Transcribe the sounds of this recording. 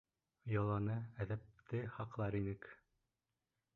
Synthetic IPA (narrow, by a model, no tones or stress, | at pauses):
jɑlˠɑnɤæðæp̚t̪ɘχɑqlˠɑɾinɘk